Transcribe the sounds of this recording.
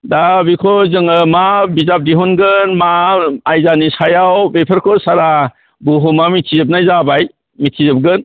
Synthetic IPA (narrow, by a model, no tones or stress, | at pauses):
dabikʰɔzɯŋɯmabizap̚diɦɔnɡɯnmaːjzanisajawbepʰəɾkʰɔsaɾa | buɦumamitʰizɯp̚najzabaj | mitʰizɯp̚ɡɯn